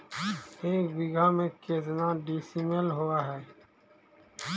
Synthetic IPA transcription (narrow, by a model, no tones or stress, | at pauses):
eːkbɪɡʱamẽkeːd͡ʒnaɖisimelɦuaɦɛː